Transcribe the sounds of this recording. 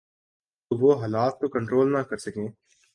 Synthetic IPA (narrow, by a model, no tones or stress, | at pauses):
oʋoːɦaːlaːt̪̚kokɐ̃ɳʈɾoːlnakɐɾsɐkẽː